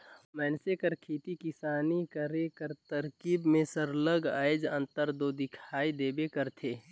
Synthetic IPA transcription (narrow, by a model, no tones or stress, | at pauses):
mɛːnsekəɾkʰiːt̪ikɪsaːnikəɾekəɾt̪əɾkiːbmẽsəɾləɡaːɪd͡ʒə̃nt̪əɾd̪oːd̪ɪkʰaːid̪eːbekəɾt̪ʰeː